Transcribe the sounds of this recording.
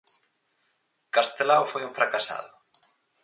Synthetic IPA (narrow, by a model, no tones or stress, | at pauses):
kast̪elawfojũɱfɾakasa̰ðʊ